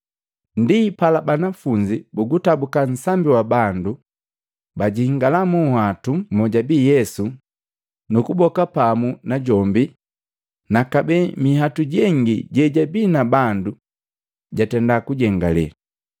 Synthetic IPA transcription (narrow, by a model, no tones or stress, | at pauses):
ndipalabanafuɲd͡ʒibuɡutabukan̩sambiwabandu | baɟihiŋɡalamuhatumɔɟabijɛsu | nukubɔkapamunaɟɔmbi | nakabɛmiɦatuɟɛŋɡiɟɛɟabinabandu | ɟatɛndakuɟɛŋɡalɛ̰a